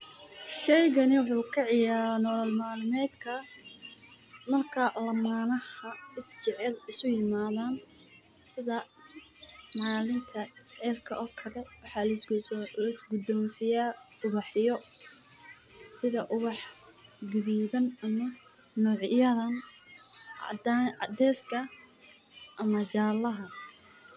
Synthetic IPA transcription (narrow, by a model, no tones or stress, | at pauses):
ʃɛjɣɐnɪwʊħuːkʰɑʕɪjaːɾnɔlɐlmaːlɪmɛːd̪kʰɐ | mɐrkʰɐlɐmaːnɐhɐɪst͡ʃɛʕɛlɪsʊjɪmaːðaːn | sɪðɐ | mɑːlɪmt̪ʰɐt͡ʃɛʕɛlkʰɐʔɔːkʰɐlɛwɑħɑlɐslɐɪsɡʊd̪ɔmsɪjaːʊβɑħjɔ | sɪðɐʔʊβɑħɡɪβiːðɐnɐmɐ | nɔːʕjɐðɐn | d̪ɛːskʰɐ | ʔɐmɐt͡ʃaːlɐɦɐ